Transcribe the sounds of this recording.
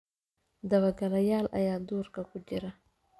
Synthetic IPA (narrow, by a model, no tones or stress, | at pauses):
d̪ɐwɐɡɐlɐjaːlʔɐ̰jaːd̪uːɾkɐkʰʊd͡ʒɪɾɐ